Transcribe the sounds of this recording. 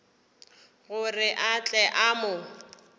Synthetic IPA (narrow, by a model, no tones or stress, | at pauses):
ɣʊrɪʔat͡ɬʼɛʔamʊ